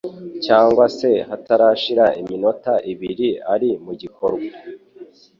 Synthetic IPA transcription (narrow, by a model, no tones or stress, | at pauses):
caːŋɡwase̞hataɾaʃiɾaimino̞taʔiβiɾiaɾimuɟiko̞ɾɡwa